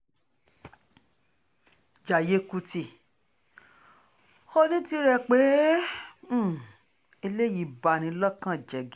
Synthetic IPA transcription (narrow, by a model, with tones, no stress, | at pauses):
d͡ʒa˨je˧ku˧ti˧ | o˦nĩ˦ti˧ɾɛ˧˨k͡pe˨˦˨ | e˧le˦˨ji˧˨ba˨ñĩ˨˦lɔ˦kã˦˨d͡ʒɛ˨ɡi˦